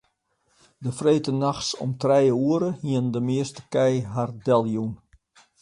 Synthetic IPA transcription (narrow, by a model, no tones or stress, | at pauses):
dəfreːtənaxsɔ̰mtrɛjəuəɾəhiəndəmɪəstəkɛjɦardɛlˠjun